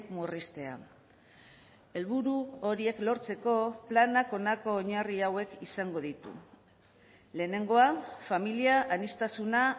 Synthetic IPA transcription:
murist̪e̞a̰ | e̞lβuɾuo̞ɾie̞klo̞ɾt͡se̞ko̞planako̞nako̞ːɲariawe̞kisaŋɡo̞ð̞it̪ṵ | le̞ːne̞ŋɡo̞afamiliaʔanist̪asuna

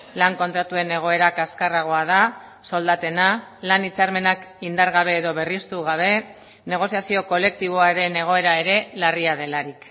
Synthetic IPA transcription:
laŋko̞nt̪ɾat̪ue̞ne̞ɣ̞o̞e̞ɾakaskaraɣ̞o̞að̞a | so̞ld̪at̪e̞nalanit͡saɾme̞nakind̪aɾɣaβ̞e̞ːðo̞β̞e̞rist̪uɣaβ̞e̞ | ne̞ɣ̞o̞siasio̞ko̞le̞k̚t̪iβo̞aɾe̞ne̞ɣ̞o̞e̞ɾae̞ɾe̞lariað̞e̞laɾik

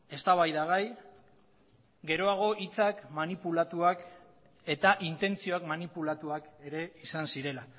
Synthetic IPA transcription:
e̞st̪aβajðaɣ̞aj | ɡe̞ɾo̞aɣ̞o̞ʔit͡sakmanipulat̪uak | e̞t̪aʔint̪e̞nt͡sio̞akmanipulat̪uake̞ɾe̞isansiɾe̞la

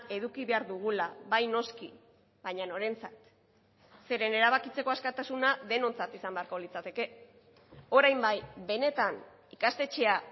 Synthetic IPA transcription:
e̞ðukiβe̞aɾðuɣ̞ulaβajno̞ski | βaɲano̞ɾe̞nt͡sat̪ | se̞ɾe̞ne̞ɾaβ̞akit͡se̞ko̞askat̪asunaðe̞no̞nt͡sat̪isambe̞aɾko̞lit͡sat̪e̞ke̞ | o̞ɾajmbajbe̞ne̞t̪an | ikast̪e̞t͡ʃe̞a

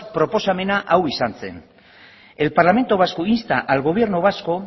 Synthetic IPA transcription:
pɾo̞po̞same̞naʔawisant͡se̞̰n | e̞lpaɾlame̞nt̪oβasko̞inst̪aʔalɣo̞β̞je̞ɾnoβasko̞

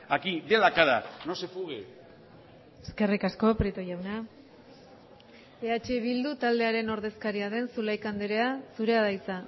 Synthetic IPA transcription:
akid̪elakaðanosefuɣe | eske̞rikasko̞pɾit̪ojawna | e̞at͡ʃe̞βild̪ut̪ald̪e̞aɾe̞no̞ɾðe̞skaɾiaðe̞nsulajkand̪eɾe̞asuɾe̞aðajt͡sa

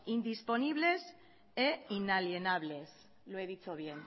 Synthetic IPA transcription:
ind̪ispo̞niβle̞s | einalje̞naβle̞s | loeðit͡ʃoβ̞je̞n

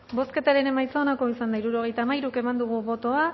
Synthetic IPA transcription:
bo̞ske̞t̪aɾe̞ne̞majt͡saonako̞isand̪aiɾuɾo̞ɣe̞jt̪aːmajɾuke̞mand̪uɣ̞uβo̞t̪o̞a

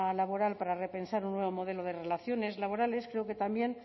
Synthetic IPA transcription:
laβo̞ɾalpaɾare̞pe̞nsaɾunːwe̞βo̞mo̞ð̞e̞loð̞e̞re̞laθjo̞ne̞zlaβ̞o̞ɾale̞skɾe̞oke̞t̪ambje̞n

